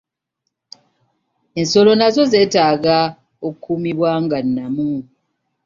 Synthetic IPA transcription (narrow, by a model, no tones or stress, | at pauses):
enso̞lo̞nazo̞ze̞ːtaːɡa | okʰːumiβwaːŋɡanːamu